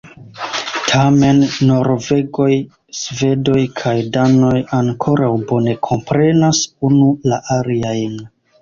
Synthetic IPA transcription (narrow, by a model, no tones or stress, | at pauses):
tʰame̞nːo̞ɾve̞ɡo̞j | sve̞do̞jkʰajdano̞jaŋkʰo̞ɾawbo̞ne̞kʰo̞mpɾe̞nasunulaʔaliajn